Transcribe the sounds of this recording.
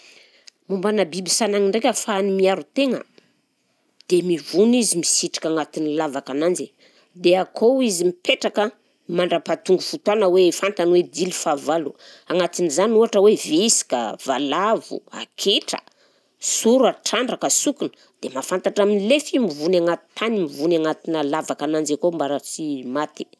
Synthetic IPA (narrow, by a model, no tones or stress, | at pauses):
mumbanabibisanaŋiɳɖ͡ʐekʲafaːnimiaɾut̪eŋə̰ | d̪̥emivunizimisiʈ͡ʂi̥kaŋat̪inilavakanand͡ʒi | d̪eakʰoizimipeʈ͡ʂakə | maɳɖ͡ʐapat̪uŋɡufut̪wanəwefant̪anwed̪ilifavalu | aŋat̪inizanuaʈ͡ʂəwevisi̥ka̰valavṵa̰kʰeʈ͡ʂə̥̰ | suɾaʈ͡ʂaɳɖ͡ʐakəsukunə̥ | d̪̥emafant̪aʈ͡ʂaminilefimivunaŋat̪i̥t̪ːanimivunaŋat̪inəlavakanand͡ʒakombaɾat͡simat̪i̥